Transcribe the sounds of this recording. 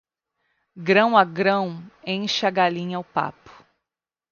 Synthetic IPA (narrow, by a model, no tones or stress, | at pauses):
ɡɾɐ̃w̃ɐɡɾɐ̃w̃ẽj̃ʃɐɡalĩɲawpa̰pʊ̥